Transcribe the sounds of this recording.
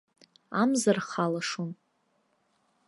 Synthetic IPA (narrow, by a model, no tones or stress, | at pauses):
amzarχalaʂon